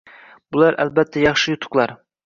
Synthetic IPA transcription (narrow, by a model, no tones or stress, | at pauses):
b̥ʊlˠæɾæ̰lbæt̪ʰːæjɑχʃɨjʊt̪ʰʊ̥qlˠɑɾ